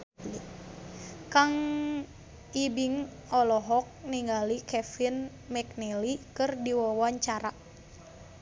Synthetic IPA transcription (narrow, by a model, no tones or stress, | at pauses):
kaŋ | ibiŋɔlɔɦɔk̚niŋɡalikɛfin | mɛk̚nɛlikɨrdiwɔwaɲt͡ʃaɾa